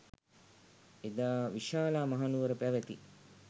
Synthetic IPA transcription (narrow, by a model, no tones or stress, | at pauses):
ed̪aːʋiʃaːlaːmaɦanuʋəɾəpæʋet̪ḭ